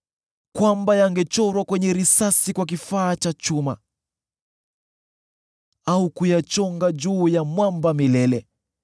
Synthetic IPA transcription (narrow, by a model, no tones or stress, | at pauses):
kwambajaŋɡɛt͡ʃɔɾwakwɛɲɛɾisasikwak̬ifaːt͡ʃat͡ʃuma̰ | aukujat͡ʃɔŋɡad͡ʒuːjamwambamilɛlɛ